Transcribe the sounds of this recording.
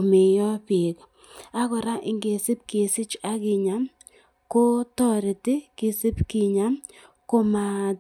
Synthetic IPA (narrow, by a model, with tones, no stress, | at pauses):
me˨jɔ˦pɪ˨k | a˦kɔ˨ɾa˦ʔɪ˦ŋɡe˨si˦p̚ke˨sɪ˦t͡ʃa˦kɪ˨ɲa˦m | ko˦tɔ˦ɾɪ˨tɪ˦kɪ˨sɪ˦pkɪ˨ɲa˦m | ko˦ma˨